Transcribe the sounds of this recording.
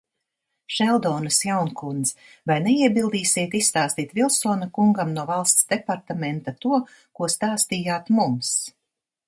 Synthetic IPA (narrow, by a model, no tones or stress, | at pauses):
ʃɛlˠd̪ɔːnɨsjawnkund̪z | vajnɛiɛbilˠd̪iːsʲiɛt̪issːt̪aːst̪iːt̪vilˠsɔːnakuŋɡamnuɔvalˠst̪sd̪ɛpaɾt̪amɛnt̪at̪uɔ | kuɔst̪aːst̪iːjaːt̪mums